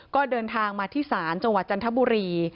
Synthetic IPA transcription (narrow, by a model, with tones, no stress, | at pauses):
kɔː˥˩dɤː˧nt̪ʰaː˧ŋmaː˧t̪ʰiː˥˩saː˩˦nt͡ɕa˧ŋwa˨˩t̪̚t͡ɕa˧nt̪ʰa˦˥buː˧ɾiː˧